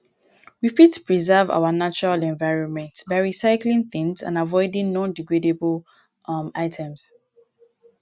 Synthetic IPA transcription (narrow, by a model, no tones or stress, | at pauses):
wifitpʰɹizɛva̰wanat͡ʃɔɹalɛ̃nvaɪɹɔ̃nmɛ̃ntbaɪɹisaɪklĩŋθĩŋzã̰navɔɪdĩŋnɔ̃ndiɡɹedebəl | maɪtʰɛ̃ms